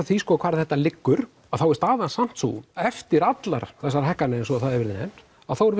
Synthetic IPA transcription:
θviskɔkʰvaːɾθɛht̪ːalɪkːʏɾ̥ | aðθawɛɾst̪aːðansam̥t̪sṵɛft̪ɪɾat̪laɾθɛsːaɾɦɛhkːanɛɛnsɔθaɛvɪɾðɪnɛn | aðθawɛɾ

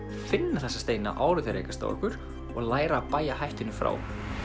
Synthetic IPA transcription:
fɪnːaθɛsːast̪eːjna̰ʔaːwɾʏθaɾḛːjkast̪a̰wɔ̰hkʏɾ̥ | ɔɣlaːjɾaːpaːjaɦajht̪ɪnʏmfɾa̰ːw

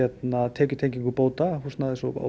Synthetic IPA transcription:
ɛt̪nat̪ʰɛːcʏ̥t̪ʰejɲciŋkʏpoːwt̪ahusnaðɪsɔa̰

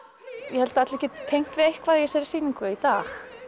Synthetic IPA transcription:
jɛhɛlt̪aat̪lɛhcɪt̪ʰejŋ̥t̪vɪðejhkʰvaðjɛsɛɾɪ̥siːniŋkʏit̪aːx

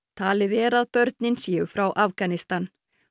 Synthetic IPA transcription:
t̪ʰaːlɪvɛːɾaðpœɾt̪̚nɪnsjɛʏfɾawʔafkanɪst̪an

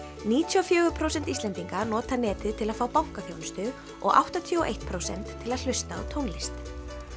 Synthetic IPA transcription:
niːt̪ʰjuɔfjœːɣʏpʰɾowsɛn̥t̪ist̪ɛnt̪iŋkanɔːt̪anɛːt̪ɪðt̪ʰɪlaðfaːwpawŋ̥kaθjownst̪ʏɣ | ʔɔ̰ɣʔa̰wht̪at̪ʰjʏɔʔḛjht̪̚pʰɾowsɛ̰n̥t̪ʰːɪlaðl̥ʏst̪aɔ̰t̪ʰownlɪst̪

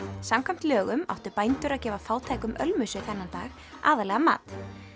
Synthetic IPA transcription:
samkʰajm̥t̪lœːɣʏma̰wht̪ʏpajnt̪ʏɾaðcɛːvafaːwt̪ʰajkʏmʔœ̰lmʏsʏθɛnːant̪a̰ːɣ | ʔa̰ːðalɛːɣama̰ːt̪

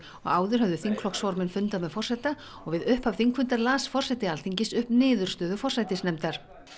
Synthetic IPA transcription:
ɔ̰ɣaːwðʏɾ̥ɦœvðʏθiŋkʰlɔksvɔɾmɪnfʏnt̪amɛðfɔr̥sajt̪a | ɔɣvɪðʏhpav̥θiŋkʰvʏnt̪aɾlaːsfɔr̥sɛt̪ɪalθiɲcɪsʏhpnɪːðʏɾ̥st̪œːðʏfɔrsajt̪ɪsnɛmt̪aɾ̥

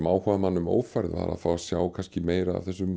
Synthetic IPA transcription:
maːwhɔðamanːʏmo̰ːwfaɾðva̰ɾa̰ðfaːwasjaːwkʰanscɪmeːjɾa̰ːvθɛs̬ʏm

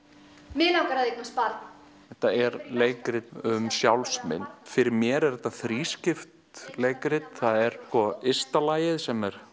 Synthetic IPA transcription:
mɪːlawkaɾaðeknaspaɾt̪n | ɛht̪aɛɾleːjkɾɪt̪ʏmsjawlsmɪ̰nːfɪɾɪɾmjɛɾɛɾðɛt̪ːaθɾiːscɪft̪leːjkɾɪt̪θaðɛɾ̥kvɔɪst̪alaːjɪðsɛmɛɾ̥

